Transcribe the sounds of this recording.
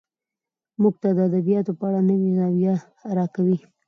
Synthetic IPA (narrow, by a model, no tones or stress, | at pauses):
muɡt̪ad̪əad̪abijɑt̪opəaɽanəwinɑwija | ɾɑkawi